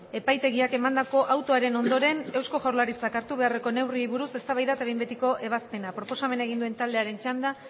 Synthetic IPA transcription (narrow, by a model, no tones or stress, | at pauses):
e̞pajt̪e̞ɣiake̞mand̪ako̞ʔawt̪o̞aɾe̞no̞nd̪o̞ɾe̞ne̞wsko̞ʝaɾlaɾit͡sakaɾt̪uβ̞e̞are̞ko̞ne̞wriβuɾuse̞st̪aβajðat̪ajmbet̪iko̞ʔe̞β̞aspe̞napɾo̞po̞same̞naeɣind̪ue̞nt̪ald̪e̞aɾe̞nt͡ʃand̪a